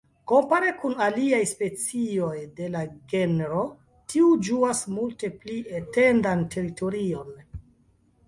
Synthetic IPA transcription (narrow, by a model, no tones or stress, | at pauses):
ko̞mpaɾe̞kunaliajspe̞t͡sio̞jde̞laɡenɾo̞ | tʰiud͡ʒuasmulte̞pliete̞ndantʰe̞ɾito̞ɾio̞n